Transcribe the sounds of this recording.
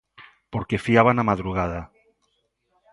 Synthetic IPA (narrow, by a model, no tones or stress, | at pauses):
poɾkefiaβanamaðɾuɣað̞a